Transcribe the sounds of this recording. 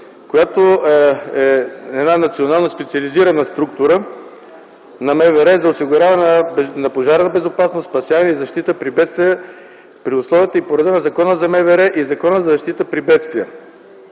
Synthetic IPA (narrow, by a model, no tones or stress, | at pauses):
kojat̪o | ɛɛd̪nanɐt̪sionalˠnəspɛt̪siɐliziɾɐnəst̪ɾukt̪ʊɾə | nɐmɛvɛɾɛzɐʊsiɡʊɾʲavɐnənɐpoʒaɾnəbɛzʊpasnossːpɐsjavɐnɛizɐʃt̪it̪əpɾibɛt̪st̪vʲiə | pɾiʊslˠɔviət̪əipoɾɛd̪ənɐzɐkɔnəzɐmɛvɛɾɛʔizɐkɔnəzɐzɐʃt̪it̪əpɾibɛt̪st̪viə